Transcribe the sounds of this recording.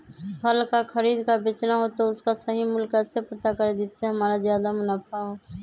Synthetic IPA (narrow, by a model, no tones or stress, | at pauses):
pʰəlkakʰəɾiːd̪kabet͡ʃnaɦot̪oʊskasəɦimʊlkɛːsepət̪akəɾed̪iːt̪seɦəmaːɾazjaːd̪amʊnaːpaɦo